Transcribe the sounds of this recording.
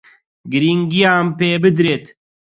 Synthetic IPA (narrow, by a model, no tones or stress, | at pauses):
ɡɨɾiːŋɡijaːmpeːbɨd̪ɾeːt̪